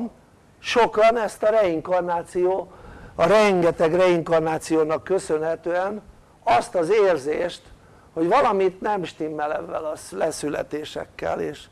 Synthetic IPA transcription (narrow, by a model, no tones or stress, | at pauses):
m | ʃo̞kɒnɛst̪ɒrɛiŋkɒrnaːt̪sijoːɒɾɛŋɡɛt̪ɛɡrɛiŋkɒrnaːt̪sijoːnɒkːø̞sø̞nɦɛt̪øːɛn | ɒst̪ɒzeːrzeːʃt̪ | ho̞ɟvɒlɒmit̪nɛmʃt̪imːɛlɛvːɛlɒlɛsylɛ̰t̪eːʃɛ̰kːɛ̰lḛːʃ